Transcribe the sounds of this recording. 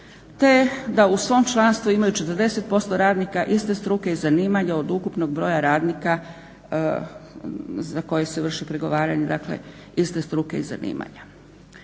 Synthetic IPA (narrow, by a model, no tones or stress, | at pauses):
t̪e̞d̪ausʋo̞ːmt͡ʃlˠanst̪ʋuimajut͡ʃet̪əɾd̪e̞se̞t̪̚po̞st̪o̞ɾaːd̪nikaʔist̪e̞st̪ɾuke̞izaniːmaɲao̞d̪ukupnoɡbɾo̞ːjaɾaːd̪nika | zako̞jese̞ʋr̩ʃipɾeɡo̞ʋaːɾaɲed̪aklḛ | ist̪e̞st̪ɾukeiza̰nḭːma̰ɲa